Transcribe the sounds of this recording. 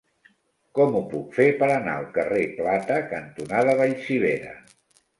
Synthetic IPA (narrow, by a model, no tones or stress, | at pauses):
kɔmupukfepəɾənaəlˠkəreplat̪əkənt̪unaðəβəʎsiβ̞eɾə̰